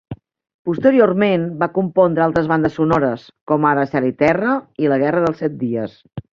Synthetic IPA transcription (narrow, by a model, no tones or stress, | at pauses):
pust̪əɾiormenbakumpɔnd̪ɾəalˠt̪ɾəzβand̪əsːunɔɾəs | kɔmaɾəsɛɾit̪ɛrəiləɣ̞ɛrəðəlˠsɛt̪̚d̪iəs